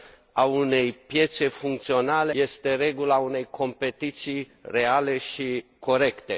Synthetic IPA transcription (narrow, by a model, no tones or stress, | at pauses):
aune̞jpje̞t̪se̞fuŋk̚t̪sio̞nale̞je̞st̪e̞ɾe̞ɡulaune̞jkʰo̞mpe̞t̪it̪sij | re̞ale̞ʃiko̞ɾe̞kt̪e̞